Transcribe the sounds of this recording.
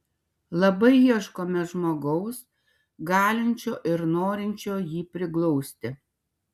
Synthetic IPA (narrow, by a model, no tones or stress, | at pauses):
lˠɐbɐɪjiɛʃkoːmʲɛʒmoːɡɐʊs | ɡɑːlʲɪnʲt͡ʃʲoːʔɪɾnoːɾʲɪnʲt͡ʃʲoːjiːpʲɾʲɪklˠɔʊsʲt̪ʲɪ